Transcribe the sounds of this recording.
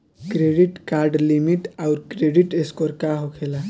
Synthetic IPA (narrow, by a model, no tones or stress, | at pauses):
kɾeɖiʈkaɾɖlimiʈawɾkɾeɖiʈeskɔɾkaɦokʰela